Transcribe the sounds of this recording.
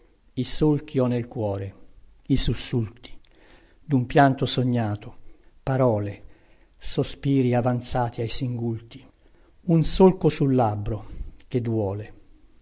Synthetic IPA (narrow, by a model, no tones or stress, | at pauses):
isolk̟iɔnːelkwɔːɾe | isusːult̪i̥ | d̪umpjant̪osoɲːaːt̪opaɾɔːle | sospiːɾiavant̪saːt̪ʰiajsiŋɡult̪i̥ | unsolkosulːabːɾok̟ed̪wɔːle